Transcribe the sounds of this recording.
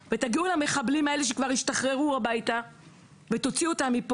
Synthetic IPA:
vet̪aɡiulame̞χablimae̞leʃ̬ekvaʁiʃt̪aχʁe̞ʁuabajt̪a | ve̞t̪o̞t͡sio̞t̪amːip

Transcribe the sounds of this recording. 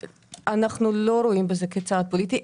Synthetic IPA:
anaχnulo̞ɾo̞imbezeket͡sad̪̚polit̪i

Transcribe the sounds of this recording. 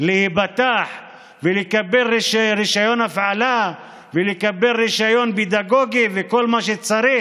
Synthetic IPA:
lehibat̪aħ | velekabe̞liʃɾiʃajo̞nafʕala | velekabe̞lʁiʃajo̞nbid̪aɡo̞ɡiveko̞lmaʃet͡saɾi

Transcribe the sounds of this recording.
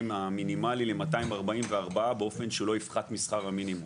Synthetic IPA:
maminimalilemat̪aimaʁbaimveaʁbaabeo̞fe̞nʃelo̞ifχat̪misχaʁaminimu

